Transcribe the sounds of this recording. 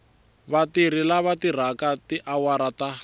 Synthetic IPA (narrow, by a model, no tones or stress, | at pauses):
βatiɾilaβatir̤akatiʔawaɾata